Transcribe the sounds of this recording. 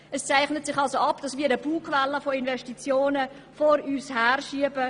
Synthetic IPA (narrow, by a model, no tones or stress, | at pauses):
ɛst͡sæɪχnətsɪχɑlsoɑpd̥ɑsviːɐɾəb̥uːkʰvɛlːəfoinvɛʃtit͡sjoːnə | foɾyːshæːɾʃiəbə